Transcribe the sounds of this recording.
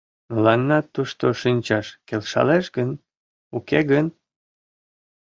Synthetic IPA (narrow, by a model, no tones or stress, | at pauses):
məlɑnːɑt̪ːuʃt̪oʃinʲt͡ɕɑʃkelʃɑ̰leʃɡən | ukeɣən